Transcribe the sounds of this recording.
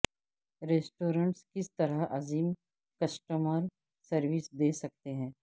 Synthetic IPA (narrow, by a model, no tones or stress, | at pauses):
ɾeːsʈoːɾə̃ɳʈskɪst̪ɐɾəɦʔɐziːm | kɐsʈəməɾ | sɐɾʋɪsd̪eːsɐk̚t̪eɦɛ̃ː